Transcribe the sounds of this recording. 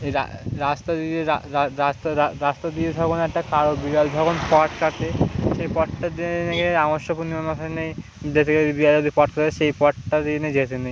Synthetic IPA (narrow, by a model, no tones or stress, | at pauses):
ɾa̰ɾast̪ad̪ieɾaɾaast̪aaɾast̪ad̪ieb̪ʱɔɡonɛkʈakaɾobiɾalbʱɔɡonpɔʈkaɾt̪eʃejpɔʈʈad̪inenekeɾamoʃopunimamat̪ʰanej | d͡ʑet̪ʰekeod̪ibiaod̪ipɔʈ̚kaɾt̪eʃejpɔʈʈad̪ined͡ʑet̪ʰenej